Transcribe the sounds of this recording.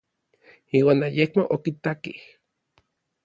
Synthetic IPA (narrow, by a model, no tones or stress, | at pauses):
iːwaːnajekmoʔokit̪akih